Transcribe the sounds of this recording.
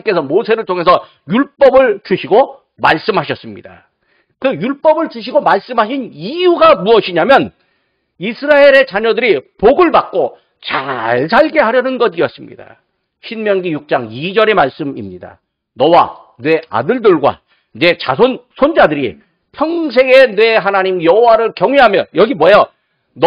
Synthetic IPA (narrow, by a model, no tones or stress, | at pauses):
k͈e̞sʰʌmosʰe̞ɾɯɭtʰoŋɦe̞sʰʌ | juɭp͈ʌbɯɭt͡ɕuɕʰiɡo | maɭs͈ɯmɦaɕʰʌs͈ɯmɲḭda | kɯjuɭp͈ʌbɯɭt͡ɕuɕ̬ʰiɡomaɭs͈ɯmɦaɕʰinijuɡamuʌɕʰiɲamjʌn | isʰɯɾae̞ɾe̞t͡ɕaɲʌdɯɾipoɡɯɭbak̚k͈o | t͡ɕaɭs̬ʰaɭɡe̞ɦaɾjʌnɯnɡʌdijʌs͈ɯmɲḭda̰ | ɕʰinmjʌŋɡijuk̚t͡ɕ͈aŋid͡ʑʌɾe̞maɭs͈ɯmimɲida̰ | nʌwa | nwe̞a̰dɯɭdɯɭɡwa̰ | ne̞t͡ɕasʰonsʰond͡ʑadɯɾḭ | pʰjʌŋs̬ʰe̞ɡe̞nwe̞ɦanaɲimjʌɦowaɾɯɭkjʌŋɥeɦamjʌnjʌɡimwʌjʌ | n